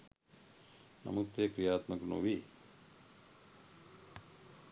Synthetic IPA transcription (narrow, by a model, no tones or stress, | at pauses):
nɐ̰mut̪ːekɾijaːt̪mɐkɾno̰ʋi